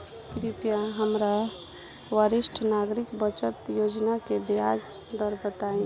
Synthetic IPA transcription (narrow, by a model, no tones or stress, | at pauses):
t̪ɾipijãɦəmɾa | ʋəɾiʃʈʰnaɡɾikbət͡ʃət̪jod͡ʒnakebjad͡ʒd̪əɾbət̪aĩ